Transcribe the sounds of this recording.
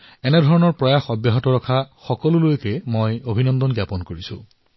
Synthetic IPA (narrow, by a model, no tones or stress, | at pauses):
ɛnɛdʱɔɹɔnɔɹpɹɔjaxɔbjaɦɔtɔɹɔkʰaxɔkɔlulojkɛmojobʱinɔnd̪ɔnɡjapɔnkoɹisʊ̰̃